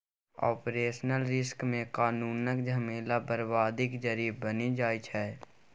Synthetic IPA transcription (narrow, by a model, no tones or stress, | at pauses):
ɔ̰ːpɾeːʃnəlɾɪskmẽkaːnuːnəkd͡ʒʱəmeːlabəɾbaːd̪ɪkd͡ʒəɾibənid͡ʒaːit͡ʃʰɛː